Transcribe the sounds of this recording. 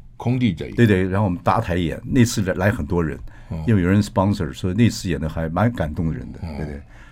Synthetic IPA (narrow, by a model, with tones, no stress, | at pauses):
kʰʊ˥ŋt̪i˥˧˩ʈ͡ʂ̪we˥˧ɪt̪we˥˩ɻxo˥˩wɔ˨mə˦nt̪a̰˧˥t̪ʰa˧˥ɪjɛ̰˨˩˦nne˥˧ɪt͡sʰɹ̩˥˩˧la˧˥ɪxə˨˩nt̪wɔ˥ɻə̰˧˥n | i˥we˩jo˨˩ɻə˧˥nspɑ˥ŋsə̰˨˩swɔ˧˥i˧ne˥˧ɪt͡sʰɹ̩˥˧jɛ˨˩nd̪ə˧xa˧˥ɪma˧˥nka˨˩nt̪ʊ˥˩ŋd̪ə˩ɻə̰˧˥nd̪ə˧t̪e˥˧t̪we˥˩ɪ